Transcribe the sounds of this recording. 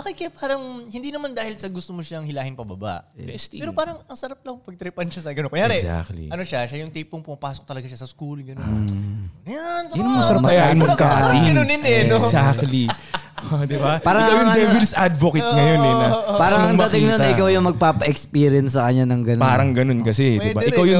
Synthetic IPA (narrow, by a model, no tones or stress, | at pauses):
bɐkɪkɐpaːɾɐŋhɪnd̪iːnɐmand̪aːhɪlsɐɡʊst̪omoʃaŋhɪlaːhɪnpɐbɐba̰ʔ̪ɛːɾopaːɾɐŋɐŋsɐɾap̚lɐŋpɐɡ̚t̪ɾɛpɐnʃasɐɡɐnokojaːɾɛa̰klḭʔɐnoʃaʃajʊŋt̪iːpʊŋpʊmɐpaːsok̚t̪ɐlɐɡaʃasɐskulɡɐnonɐjanjʊnmɐsɐɾmɐjaʔ̪ɐɡkaʔɪnnonnɛsak̪li | d̪ɪbaaːɾɐɪajʊŋd̪ɛvɪlsad̪vokɐt̪̚ŋɐjonɛnɐpaːɾɐŋɐŋmɐɐtk̪ɪŋnonɐʔɪkawjʊŋmɐɡ̚paːpɐʔɛkspiɾɪɐnsːɐkɐɲanɐŋɡɐnpaːɾɐŋɡɐno̞nkɐsɛd̪ɪbaʔɪkawjʊŋ